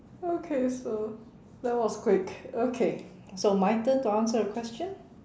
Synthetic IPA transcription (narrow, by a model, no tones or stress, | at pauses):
okʰeso | dɛt̚wɔskʰwɪkokʰe | somaɪtə̃ntuãnsəɹəkʰw̥ɛst͡ʃə̃n